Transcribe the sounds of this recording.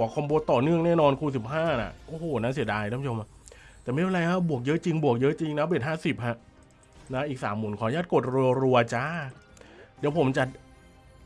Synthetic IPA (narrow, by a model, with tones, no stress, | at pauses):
u˩˦kʰɔ˧mbo˧t̪ɔː˨˩nɯ˥˩əŋnɛː˥˩nɔː˧nkʰuː˧˩si˨˩p̚ɦaː˥˩na̰˨˩ʔoː˧˩hoː˨˩na˦˥nsi˩˦daː˧jpʰt͡ɕʰo˧m˧t̪ɛː˨˩ma˥˩˨a˧la˧jkʰa˥˩bu˨˩ək̚jɤ˦˥ʔt͡ɕi˧ŋbu˨˩ək̚jɤ˦˥t͡ɕi˧ŋnɛ˧˦˥beː˨˩t̪̚haː˥˩si˨˩p̚ha˧˩ʔ | na˦˥ʔiː˨˩k̚saː˩˦mːuː˨˩˦nkʰɔː˨˦jaː˥˩t̪̚ko˨˩t̪̚ɾu˧ɾu˧ɐ˧t͡ɕaː˦˥ | diː˨˩˦wpʰo˩˦mt͡ɕa˨˩